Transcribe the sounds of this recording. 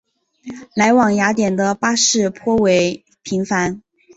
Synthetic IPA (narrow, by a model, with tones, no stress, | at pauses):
la˧˥ɪwɑ˨˩ŋja˧˥t̪̬jɛ˨˩nd̪ə˦pa˥ʂɻ̩˥˩pʰwɔ˥we˧˥ɪ | pʰi˧˥ŋfa˧˥n